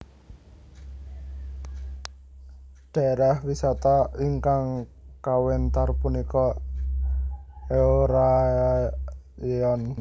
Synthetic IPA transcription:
ɖ̥aɾahwisat̪aiŋkaŋkawɛnt̪arpunikɔ | eoɾa | ɔn

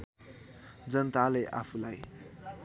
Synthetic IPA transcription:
d͡zʌnt̪aleʔa̰pʰulaj

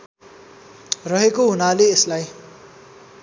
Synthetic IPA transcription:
rʌɦekoɦunaleːslaj

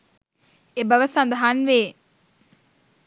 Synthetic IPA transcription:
ebəʋəsɐnd̪ɐɦanʋeː

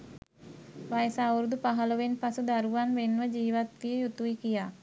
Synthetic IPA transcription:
ʋajsauɾd̪upaɦaloʋenpasud̪aɾuwanʋenwəd͡ʒiːʋat̪iəjut̪uikija

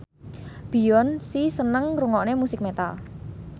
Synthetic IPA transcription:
b̥i̤jɔnsisənəŋruŋɔʔnemusɪk̚met̪a̰l

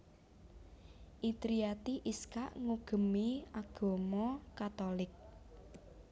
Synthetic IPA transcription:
ʔit̪ɾiat̪iʔiskaʔŋuɡ̥ə̤miaɡ̥o̤mɔkat̪olɪk̚

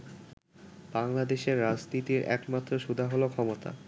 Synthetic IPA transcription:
b̥aŋlad̪eʃeɾːad͡ʑnit̪iɾɛ̰kmat̪ːɾoʃud̪ʱaɦolokʰɔmot̪a̰

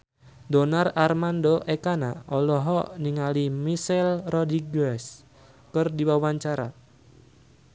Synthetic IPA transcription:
dɔnararmandoʔekana̰ɔlɔɦɔʔniŋalimisɛlrɔdiɡɛs | kɨrdiwawaɲt͡ʃaɾa

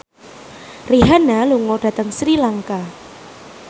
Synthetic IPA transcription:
riɦanaluŋɔɖ̥a̤t̪əŋsɾilaŋka

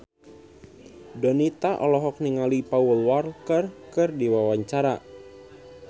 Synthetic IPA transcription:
dɔnit̪aʔɔlɔɦɔk̚niŋalipaulwarkərkɨrdiwawaɲt͡ʃaɾa

